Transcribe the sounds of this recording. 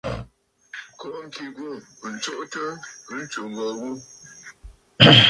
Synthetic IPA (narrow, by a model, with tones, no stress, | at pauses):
kɔ˨˦ŋ̩˦ki˨ɡu˦˨ | n̩˨t͡ʃo˦ʔtə˦ɨ˨˦n̩˦t͡ʃu˨ŋ˨ɡɔ˨ɡu˦